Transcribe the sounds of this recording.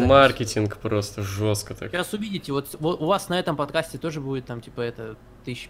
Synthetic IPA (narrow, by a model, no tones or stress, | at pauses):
markʲɪtʲɪnkpɾo̞st̪əʐoskət̪a̰kasʊvʲidʲɪtʲɪvo̞t̪voʊvasnɐɛt̪əmpɐt̪̚kasʲtʲɪt̪o̞ʐɨbudʲɪt̪ːamtʲipəɛt̪ə | t̪ɨɕ